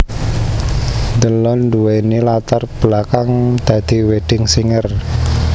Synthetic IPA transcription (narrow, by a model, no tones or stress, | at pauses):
nd̪əlɔnːd̪uwenilat̪arb̥lakaŋd̪̥ä̤d̪̥i̤weɖ̪̥ɪŋsiŋər